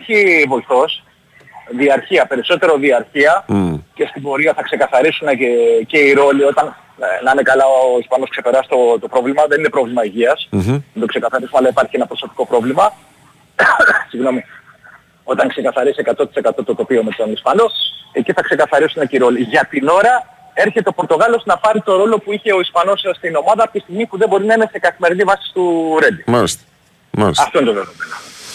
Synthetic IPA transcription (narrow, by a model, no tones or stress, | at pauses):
ɐçivo̞iθo̞s | ðiɐɾçiɐpe̞ɾiso̞t̪e̞ɾo̞ðiɐɾçiɐce̞st̪ibo̞ɾiɐθɐkse̞kɐθɐɾisune̞ce̞iɾo̞lio̞t̪ɐn | nɐinekɐlɐoispɐno̞skse̞pe̞ɾɐsi̥t̪ot̪o̞pɾo̞vlimɐðe̞ninepɾo̞vlimɐiʝiɐsnɐnt̪okse̞kɐθɐɾisumeɐlɐipɐɾçienɐpɾo̞so̞pi̥ko̞pɾo̞vlimɐ | siɣno̞mi | o̞t̪ɐŋkse̞kɐθɐɾisiekɐt̪o̞t̪i̥se̞kɐt̪o̞t̪ot̪o̞pio̞met̪onispɐnoe̞ciθɐkse̞kɐθɐɾisuneciɾoliʝɐt̪ino̞ɾɐ | e̞ɾçe̞t̪e̞o̞poɾt̪o̞ɣɐlo̞snɐpɐɾit̪o̞ɾo̞lo̞puiçe̞o̞ispɐno̞sst̪ino̞mɐðɐpot̪ist̪iɣmipuðebo̞ɾinɐinese̞kɐθime̞ɾðivɐsi̥st̪uɾe̞d̪imalis | malisɐft̪o̞inet̪oeðomeno